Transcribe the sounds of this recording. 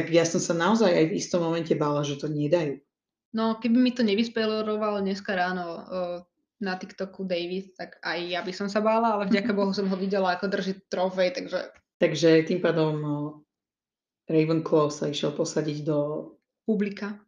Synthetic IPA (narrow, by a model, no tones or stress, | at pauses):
t̪aɡjasɔmsanaɔzajajvist̪ɔmːɔmɛncɛbaːlaʒɛt̪ɔɲɪɛd̪ajuː | nɔkɛbimit̪ɔɲɛʋispɛlɔɾɔʋalɔɲɛskaɾaːnɔ | nat̪ikt̪ɔkud̪ɛjʋit̪̚t̪aɡajjabisɔms̬abaːlaalɛvɟakabɔɦus̬ɔmɦɔʋiɟɛlaakɔd̪r̩ʒit̪ɾɔvɛjt̪aɡʒɛ̰ | t̪aɡʒɛt̪impaːd̪ɔm | ɾɛjʋəŋklɔsaiʃɪɛlpɔsaɟiɟd̪ɔ | publika